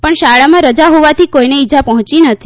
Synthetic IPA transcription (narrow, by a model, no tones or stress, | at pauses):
pəɳʃaɭamãɾəd͡ʒaɦoʋat̪ʰikoineid͡ʒapɔɦɔ̃t͡ʃinət̪ʰi̥